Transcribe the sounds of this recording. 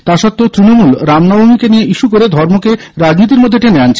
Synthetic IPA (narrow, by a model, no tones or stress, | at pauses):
t̪aʃɔt̪ːot̪ɾinomulɾamnɔbʱomikenijeʔiʃukoɾed̪ʱɔɾmoke | ɾad͡ʑnit̪̬iɾmod̪ʱːeʈeneant͡ɕʰe